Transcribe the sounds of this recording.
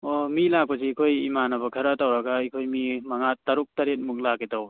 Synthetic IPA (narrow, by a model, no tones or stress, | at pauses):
omilak̚pɐsiikʰojimanabɐkʰɐɾatawɾaɡaikʰojmimaŋatːaɾuk̚taɾet̚muk̚lakitaw